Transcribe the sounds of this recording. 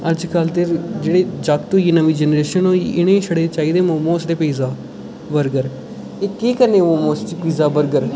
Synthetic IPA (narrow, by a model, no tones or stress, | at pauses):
əd͡ʒkəlt̪eːɾd͡ʒeːɽeːd͡ʒakt̪õːjiːnəʋiːd͡ʒɛnɾeːʃənoːiʔɪɽ̃ẽːʃəɽeːt͡ʃaːiːd̪eːmoːmõːsd̪eːpiːzaː | bəɾɡəɾ | eːkeːkəɾnẽːmoːmoːsd̪iːpiːzaːbəɾɡəɾ